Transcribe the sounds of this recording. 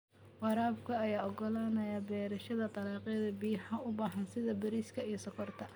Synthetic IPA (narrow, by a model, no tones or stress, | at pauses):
wɑɾaːbkʰɐːjaːɔɡɔlaːnɐjabɛːɾɐʃɐðɐt̪ɑlɑːqɛːðɐbiːħɐʊbaːɦɐnsɪðɐbɐɾiːskʰɐijsɐkʰɔrt̪ʰɐ